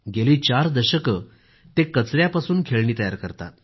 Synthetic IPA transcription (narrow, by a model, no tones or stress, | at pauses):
ɡeliːt͡ɕaɾd̪əɕəkə | t̪ekət͡sɾjapasuːnkʰeɭɳiːt̪əja̰ɾkəɾt̪a̰t̪